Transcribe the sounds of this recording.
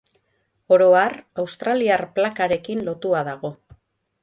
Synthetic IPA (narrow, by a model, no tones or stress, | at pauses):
o̞ɾo̞arawst̪ɾaliarplakaɾe̞kinlo̞t̪uaðaɣ̞o̞